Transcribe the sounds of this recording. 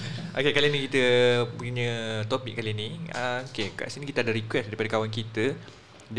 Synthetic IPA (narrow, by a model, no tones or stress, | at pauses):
ʔokekalinĩkit̪əpuɲə̃t̪ɔpik̚kaliniəkeka̰ʔsinikit̪adaɾikwɛsdaɾipadəkawankit̪ə | d